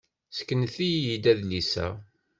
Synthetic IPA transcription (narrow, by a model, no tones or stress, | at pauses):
skːənθijjid̪æðlisæ̰